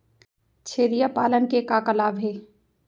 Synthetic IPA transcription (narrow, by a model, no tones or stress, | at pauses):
t͡ʃʰeːɾijapaːlənkekakəlaːbɦeː